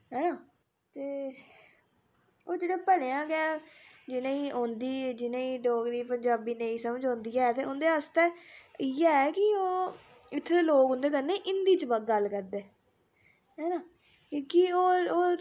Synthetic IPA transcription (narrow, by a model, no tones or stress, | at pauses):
ɦɛːnaː | t̪eː | oːd͡ʒeːɽeːpəleːãːkɛːd͡ʒɪnẽːiːʔõːnd̪iːd͡ʒɪnẽːiːɖoːɡɾiːpəɲd͡ʒaːbiːneĩːsəməd͡ʒɔ̃ːnd̪iːɛːt̪eːʊnd̪eːəst̪eːiɛɛkɪoː | ɪt̪ʰːeːeloːkoʊ̃nd̪eːk̬əɾneːʔɪnd̪iːt͡ʃbəɡəlkəɾd̪eː | ɦɛːnãː | kioːoː